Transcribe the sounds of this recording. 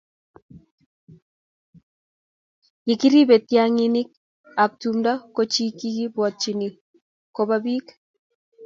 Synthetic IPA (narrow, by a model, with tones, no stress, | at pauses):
ji˨ki˦ɾi˦bɛ˨tja˦ŋi˦ni˦k̚ | a˨p̚tu˨mda˦ko˦t͡ʃi˦ki˦ki˦bwɔ˨t̚t͡ʃi˨ni˨ | ko˨ba˦bi˦k